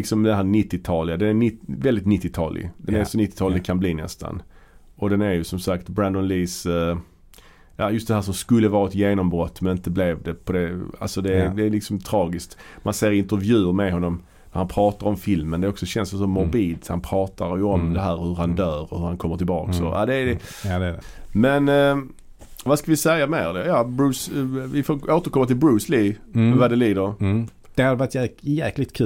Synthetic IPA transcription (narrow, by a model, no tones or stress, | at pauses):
lɪksɔmd̪ɛɦæːɾnɪt̪ːɪt̪ʰɑːlɪad̪ɛnæɾnɪvɛld̪ɪt̪nɪt̪ːɪt̪ʰɑːlɪ̰ɡd̪ɛnæɾsɔnɪt̪ːɪt̪ʰɑːlɪɡkʰanbliːnɛ̰st̪a̰n | ɔd̪ɛnæɾjɵsɔmsakt̪bɾand̪ɔnliːs | jɑjʉst̪̚d̪ɛhæːɾʂ̬ɔmskɵlːəvɑːɾaɛt̪jeːnɔmbɾɔt̪ːmɛnɪnt̪əblevd̪ɛpʰɔd̪ɛa̰lsɔd̪ɛd̪ɛːlɪksɔmt̪ʰɾɑːɡɪskt̪mʔanseːɾɪnt̪əɾvjʉ̟ːɾmɛd̪ɦɔnːɔm | næɾhanpʰɾɑːt̪aɾɔmfɪlmənd̪ɛɔksɔɕɛnsɔsɔmːɔɾbiːd̪hanpʰɾɑːt̪aɾjɵɔmd̪ɛɦæːɾhɵɾhand̪œːɾɔhɵɾhankʰɔmːəʈʰɪlbɑ̰ːksɔ̰ʔa̰d̪ɛːdɛ | mɛn | vaskavɪsɛjːameːɾd̪ɛjɑːbɾʉːsvɪfoːɾoːt̪əɾkʰɔmːat̪ɪlbɾʉːslivad̪ɛliːd̪əɾ | d̪̥ɛhad̪ɛvat̪jæklɪɡ̚t̪̚kʰʉ